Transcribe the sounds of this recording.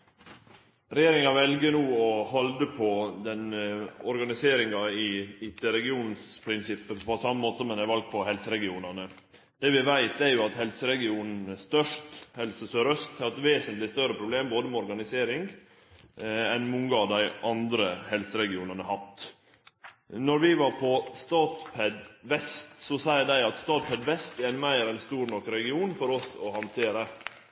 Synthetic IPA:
ɾɛjeːɾɪŋɑʋɛlɡənuːɔhɔld̪əpʰɔd̪ɛnɔɾɡɑnɪseːɾɪŋɑɪɪt̪əɾɛɡɪuːnn̩spʰɾɪnsɪpːəpʰɔsɑmːəmoːt̪əsɔmɛnæʋɑlɡ̚pʰɔhɛlsəɾɛɡɪuːnɑnə | d̪̥ɛːʋɪʋæɪt̪æɾjʊɑt̪hɛlsəɾɛɡɪuːnn̩st̪œʂthɛlsəsøɾœst̪hɑɾɛt̪ʋeːsənt̪lɪst̪œɾəpʰɾʊbleːmboːd̪əmɛɔɾɡɑnɪseːɾɪŋ | ɛnmʊŋːəɑʋd̪æɪʔɑnd̪ɾəhɛlsəɾɛɡɪuːnənəhɑt̪ | nɔɾʋɪʋɑɾpʰɔst̪ɑːt̪pʰɛd̪ʋɛst̪sɔsæɪəd̪æɪɑt̪st̪ɑːt̪pʰɛd̪ʋɛst̪ɛɾæɪnmæɪɾɛnst̪uːɾɳɔkːɾɛɡɪuːnfɔɾɔsɔhɑnt̪ʰeːɾə

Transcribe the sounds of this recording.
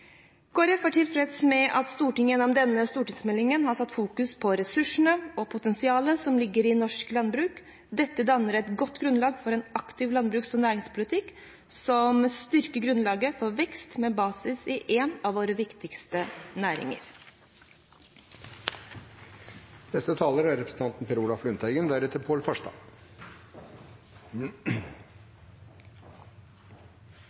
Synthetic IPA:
ɡ̥oːɾəfoːʈʰɪlfɾɛt̪smɛʔɑt̪st̪uːʈɪŋːjənɔmd̪ɛnːəst̪uːʈɪŋsmɛlːɪŋənhɑʈʰɑt̪ːfuːkʉspʰɔɾɛsʉʂəɳəɔpʰʊt̪ɛnsɪɑːləsɔmlɪɡːəɾɪnɔʂklɑnbɾʉːk | d̪ɛt̪ːəd̪ɑnːəɾɛt̪ɡɔt̪ːɡɾʉnlɑːɡfɔɾɛːnɑkt̪ɪʋlɑnbɾʉːksɔnæːɾɪŋspʰʊlɪt̪ʰɪkː | sɔmst̪ʏɾkəɡɾʉnlɑːɡəfoːʋɛkst̪meːbɑːsɪsɪʔeːnɑʋoːɾəʋɪkt̪ɪkst̪ənæːɾɪ̰ŋə̰ɾ | nɛst̪ət̪ʰɑːləɾæɾɛpɾəsn̩t̪ɑnt̪npʰɛɾuːlɑflʉnt̪ʰæɪɡənd̪æɾɛt̪ːəɾpʰoːlfɑʂt̪ɑ̰

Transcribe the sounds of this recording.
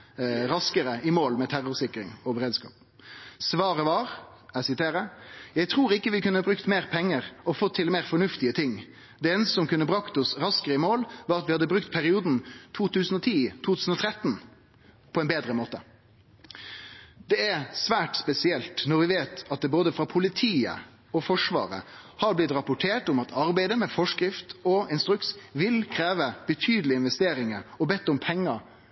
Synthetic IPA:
ɾɑskəɾəʔɪmoːlmɛt̪ʰæʁʊʁsɪkɾɪ̰ŋɔbəɾeːd̪skɑ̰ːp̚ | sʋɑːʁəʋɑʁ | æsɪt̪ʰeːɾəjæɪt̪ʰʁuːɾɪkːəʋɪkʰʉnːəɑbɾʉkt̪meːʁpʰɛŋːəʁɔfɔt̪ʰːɪlmeːʁfɔɳʉft̪ɪət̪ʰɪŋ | d̪ɛeːnəst̪əsɔmkʉnːəbʁɑkt̪ɔsʁɑskəʁəɪmoːlʋɑːɾɑt̪ʋɪhɑd̪ːəbɾʉkt̪pʰæʁɪuːd̪n̩t̪ʰuːt̪ʉːsn̩ɔt̪ʰiːt̪ʰuːt̪ʰʉːsn̩ɔt̪ʰɾɛt̪n | pʰɔɛnbeːd̪ɾəmoːt̪ə | d̪ɛæɾsʋæːʈspɛsɪɛlt̪nɔɾʋɪʋeːt̪ɑt̪̚d̪ɛboːd̪əfɾɑpʰʊlɪt̪ʰiːə̰ | ɔfɔʂʋɑ̰ːɾə̰hɑɾblɪt̪ɾɑpʊʈʰeːʈʊmɑt̪ʰɑɾbæɪd̪əmɛfɔʂkɾɪft̪ɔɪnst̪ɾʉk̪sʋɪlkʰɾeːʋəb̥ət̪ʰyːd̪əlɪɪnʋɛst̪eːɾɪŋəɔbɛt̪ːʊmpʰɛŋːəɾ

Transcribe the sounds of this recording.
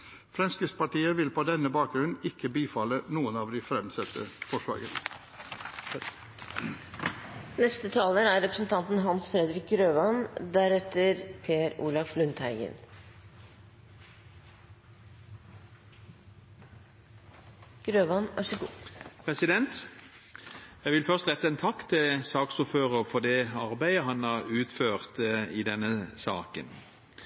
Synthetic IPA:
fɾɛnskəspɑʈiːəʋɪlpʰod̪ɛnːəbɑːk̚ɡɾʉnnɪkːəbiːfɑlənuːənɑːʋd̪iːfɾɛmsɛt̪ʰə̰fɔʂʋɑ̰ːɡən | nɛst̪ət̪ʰɑːləɾæɾɛpɾəsn̩t̪ʰɑnt̪n̩ɦɑnsfɾɛd̪ɾɪk̚ɡɾøːʋɑnd̪æɾɛt̪əɾpʰeːəɾṵːɭɑflʉnt̪hæɪɡə̰n | ɡ̥ɾøːʋɑnæ̰ʂɪkʊpʰʁɛsɪd̪ɛnt̪ | jæɡʋɪlfœʁst̪ʁɛt̪ːəɛnt̪ʰɑkːt̪ʰɪlsɑːksʊføːʁəfɔd̪ɛɑʁbæɪəɦɑnɑʁʉːt̪føːʁt̪id̪ɛnːəsɑːkə̰n

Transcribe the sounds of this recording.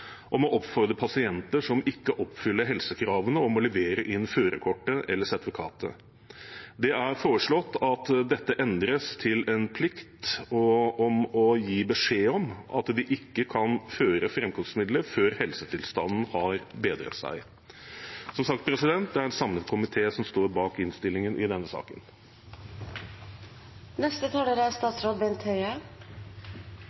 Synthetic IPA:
ʔɔmɔʔɔpfɔɾd̪ɾəpʰɑsɪɛnt̪əʂɔmɪkːəʔɔpːfʏlːəɾɦɛlsəkʰɾɑːʋənəɔmɔləʋeːɾəʔɪnːføːɾə̰kʰɔʈːəʔɛlːəʂɛd̪ʋʊkʰɑ̰ːt̪ə̰ | d̪ɛæɾfoːɾəʂɭɔt̪ːɑt̪d̪ɛt̪ːəʔɛnd̪ɾəst̪ʰɪlɛnpʰlɪkt̪ɔɔmɔjiːbəʂeːɔmʔɑ̰t̪d̪ɪʔɪkːəkʰɑnføːɾəfɾɛmkʰɔŋsmɪd̪ləføːɾhɛlsət̪ʰɪlst̪ɑnn̩hɑɾbeːd̪ɾə̰t̪sæ̰ɪ | sɔmsɑk̚t̪̚pʰɾɛsɪd̪ɛnt̪̚d̪ɛæɾɛt̪sɑmnəkʰʊmɪt̪ʰeːsɔmst̪oːɾbɑːkɪnst̪ɪlːɪŋənʔɪd̪ɛnːəsɑ̰ːkən | nɛst̪ət̪ʰɑːloːɾəæɾst̪ɑːt̪sɾoːd̪̚bɛnt̪hœʏə

